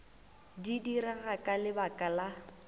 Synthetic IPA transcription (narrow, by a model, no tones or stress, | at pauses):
didiraɣakʼalɪbakʼala